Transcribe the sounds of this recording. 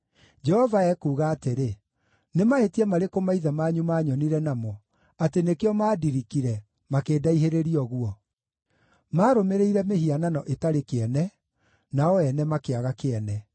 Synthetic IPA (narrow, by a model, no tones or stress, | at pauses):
d͡ʒɛhɔvaɛkuːɣaːteɾe | nemaetiɛmaɾekomaiðamaːɲumaːɲɔniɾɛnamɔ | atenekeɔmaːdiɾikiɾɛ | makeːdaiɦeɾeɾiɔɣwɔ | maːɾomeɾeiɾɛmeɦiananɔʔetaɾekeɛnɛ | naɔɛnɛmakeaɣakeɛnɛ